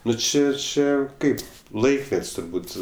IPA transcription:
ˈnʊ ˈt͡ʃʲɪ ˈt͡ʃʲɛ ˈkɐɪp ˈlˠɐɪkmʲɛtʲsʲ tʊrˈbuːt

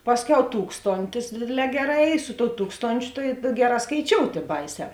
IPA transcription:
ˈpɑːsʲˌkʲɛʊ ˈtuːkstoːnʲtʲɪs ˈdʲeːdʲeːˌlʲɛː ˈɡʲæːˌrɑː ˈiː sʊ toːʊ ˈtuːkstoːnʲt͡ʃʲʊ tɐɪ ˈɡʲæːˌrɑː skɐɪˈt͡ʃʲoːʊtʲ ˈiː ˈbɐɪˌsʲɛː

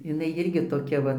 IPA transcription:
jɪˈnɐɪ ˈjɪrʲɡʲɪ toːˈkʲɛ ʋɐ

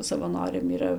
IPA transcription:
sɐʋɐˈnoːrʲɛm iːˈrɐ

